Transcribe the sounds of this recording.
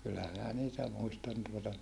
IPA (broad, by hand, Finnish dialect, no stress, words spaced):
kylːæ minæ niːtæ muistɑn tuotɑ